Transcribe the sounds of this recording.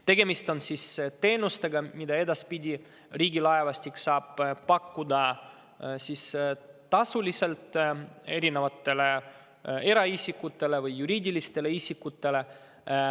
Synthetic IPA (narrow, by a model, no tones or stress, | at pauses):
t̪e̞ɡ̥e̞mist̪o̞nsist̪e̞ːnust̪e̞ɡɑmid̪ɑe̞d̪ɑspid̪ʲi | riːɡilɑe̞vɑsʲt̪ʲiksɑːb̥pɑkːud̪ɑ | sist̪ɑsulʲise̞lt̪ˑe̞ɾine̞vɑt̪ːˑe̞le | e̞ɾɑisʲikːut̪ːe̞le̞vɯjːuɾiːd̪ʲilist̪e̞le̞isikːut̪ːe̞le̞